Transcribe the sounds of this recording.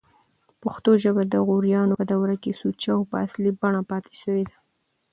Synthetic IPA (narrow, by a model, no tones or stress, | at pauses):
pʊxt̪oʒəbad̪əɣuɾjɑnoəd̪awɾakesut͡ʃawpəaslibaɳ̃apɑt̪e̥ʃəwed̪a